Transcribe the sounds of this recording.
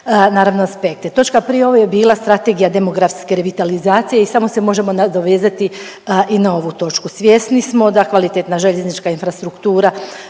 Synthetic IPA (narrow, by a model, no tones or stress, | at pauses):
naːɾaʋnoaspe̞k̚t̪et̪o̞t͡ʃkapɾijeo̞ʋojebiːlˠast̪ɾat̪e̞ɡijad̪e̞mo̞ɡɾafske̞ɾeʋit̪alizaːt̪sije̞isamo̞se̞mo̞ʒe̞mo̞nad̪oʋe̞ːzat̪i | ʔinao̞ʋut̪o̞t͡ʃkusʋʲje̞snismo̞d̪akʋalit̪et̪naʒe̞ʎe̞znit͡ʃkainfɾast̪ɾukt̪uːɾa